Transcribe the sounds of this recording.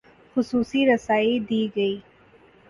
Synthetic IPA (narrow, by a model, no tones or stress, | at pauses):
xʊsuːsiɾɐsaːid̪iːɡɐiː